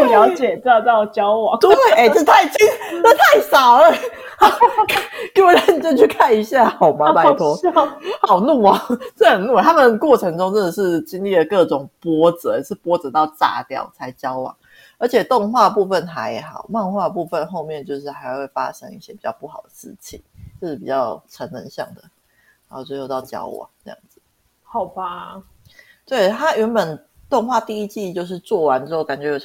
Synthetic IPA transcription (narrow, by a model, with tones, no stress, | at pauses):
ljɑ˧˦ʊt͡ɕjɛ˨˩t͡sɑ˥˧ʊt̪ɑ˥˩ʊt͡ɕjɑ˦ʊwɑ̰˨˦ŋu˥we˥˩ʔe˥˩ɪʈ͡ʂə˥˧t̪ʰa˥˩ɪt͡ɕi˥ə˥˧t̪ʰa˥˩ɪsɑ˨˩ʊlə˦ | hɑ˨˩ʊkʰke˧˥wɔ˨˩ɾa˥˩ni˨˩t͡ɕɛ˥˧t͡ɕʰy˥˩kʰa˥˩ni˧˥ɕja˥˨xɑ˨˩ʊma˨˧˥pa˧ɪt̪ʰwɔ˥hɑ˨˩ʊnu˥˩ɐ˨˦ʈ͡ʂ̩˥˩xə˨˩nu˥˩˨t̪ʰa˥mə˨nkwɔ˥˩ʈ͡ʂʰɤ˧˥ŋʈ͡ʂʊ˥ŋt͡sə˥˧nd̪ə˩ʂɻ̩˥˩t͡ɕi˥ŋli˥˩d̪ə˩kɤ˥˩ʈ͡ʂʊ˨˩ŋpwɔ˥t͡sə̰˨˦˨ʂɻ̩˥˩pwɔ˦˥t͡sə˨˩˦t̪ɑ˥˩ʊt͡sa̰˨˩t̪jɑ̰˨˩ʊt͡sʰa˧˥ɪt͡ɕjɑ˦˥ʊwɑ̰˨˩˦ | ə˞˧˥t͡ɕʰjɛ˨˩t̪o˥˧ŋxwa˥˩d̪ə˩pu˥˧fə˨˩nxa˧˥ɪjxɑ˨˩ʊmɑ˥˧ŋxwa˥˩d̪ə˩pu˥˧fə˧˨nxo˥˧ʊmjɛ˥˧˨nt͡ɕjo˥˧ʊʂ̬ɻ̩˥˩ha˧˥ɪ˥˧we˥˩ɪfa̰˥ɕə̰˧˥ŋi˥˩ɕjɛ˥pi˨˩t͡ɕjɑ˥˧pu˥˩xɑ˨˩ʊd̪ə̥˩ʂɻ̩˥˩t͡ɕʰḭ˨˩ŋt͡ɕjo˥˧ʂɻ̩˥˩pi˨˩t͡ɕjɑ˥˩ʊʈ͡ʂʰə˧˥nnə˧˦nɕjɑ̰˥˩ŋd̪ə̰˩ | a˨˥ho˥˩we˥˧xo˥˧t̪ɑ˥˩ʊt͡ɕjɑ̰˥ʊwɑ̰˨˩ŋʈ͡ʂɤ˥˧jɑ̰˥˩ŋd͡z̩˩˦ | hɑ˨˩ʊba˦ | t̪we˥˩ɪt̪ʰa˥ʔɥɛ˧˥nbə˨˩n | t̪o˥˧ŋxwa˥˧t̪i˥˧i˦˥t͡ɕi˥˧t͡ɕjo˥˧ʊʂ̬ɻ̩˥˧t͡swɔ˥˩wa˧˦nɻ̩˥o˥˩ʊka˨˩nt͡ɕɥɛ˧˥j